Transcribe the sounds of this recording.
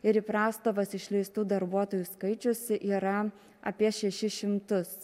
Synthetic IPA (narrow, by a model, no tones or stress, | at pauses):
ɪɾiːˑpɾɑːst̪oːʋɐsɪʃʲlʲɛɪst̪uːd̪ɐɾbuɔt̪oːjuːskɐɪt͡ʃʲʊsʲɪʔiːɾɐ | ɐ̰pʲiɛʃʲɛʃʲɪʃʲɪmt̪ʊs